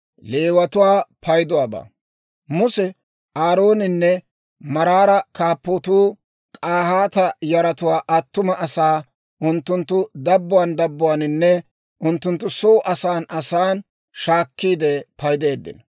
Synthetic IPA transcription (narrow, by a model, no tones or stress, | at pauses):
le̞ːwɐt̪ʊwaːpʰɐjd̪ʊwaːba̰ː | mʊsɛ | aːɾoːnɪnːɛ | mɐɾaːɾɐkaːpːot̪uː | kʼaːhaːt̪ɐjɐɾɐt̪ʊwaːʔɐt̪ːʊmɐʔɐsaː | ʔʊnt̪ːʊnt̪ːʊd̪ɐbːʊwaːnd̪ɐbːʊwanɪnːɛ | ʔʊnt̪ːʊnt̪ːʊsoːʔɐsaːnʔɐsaːn | ʃaːkːiːd̪ɛpɐjd̪e̞ːd̪ːɪ̰n